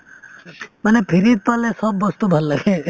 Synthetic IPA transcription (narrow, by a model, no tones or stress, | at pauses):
mənepʰiɾit̪̚palẽsɔbːɔst̪ubʱəlːəɡʱe